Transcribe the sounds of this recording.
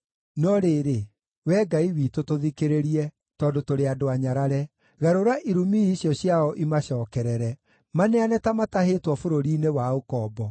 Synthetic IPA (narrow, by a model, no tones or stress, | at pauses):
nɔɾeːɾe | wɛːɡaiwiːtotoðikeɾeɾiɛ | tɔdotoɾeadoaɲaɾaɾɛ | ɣaɾoɾaʔiɾumiiɕjɔɕjaɔʔimaɕɔːkɛɾɛɾɛ | maneanɛtamatahetwɔfoɾoɾiːnewaokɔːbɔ